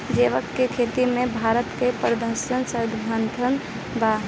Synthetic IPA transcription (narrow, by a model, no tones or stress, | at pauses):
d͡ʒeːʋəkːekʰeːt̪imẽbʱaːɾət̪kepɾəd̪əɾʃənsəɾd̪ʱɦənt̪ʰən | ba